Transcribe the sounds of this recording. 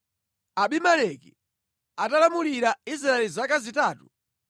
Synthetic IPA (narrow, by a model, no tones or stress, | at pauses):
aɓimalɛki | atalamuliɾaisɾaɛlizakazitaːtu